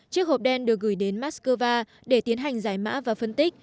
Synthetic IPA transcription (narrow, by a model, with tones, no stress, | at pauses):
t͡ɕɨ˦˥ək̚ho˨˩p̚ɗɛ˧nɗɨ˨˩ək̚ɣɨ˧˩jɗe˨˦nmaː˦˥t̚skəː˧vaː˧ | ɗe˧˩t̪i˨˦ənɦa˨˩jŋ̟zaː˧˩jma̰ː˧˥vaː˨˩fə˧nt̪i˦˥k̚